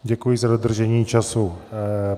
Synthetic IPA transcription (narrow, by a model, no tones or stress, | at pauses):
ɟɛkujizadod̪r̩ʒɛɲiːt͡ʃasu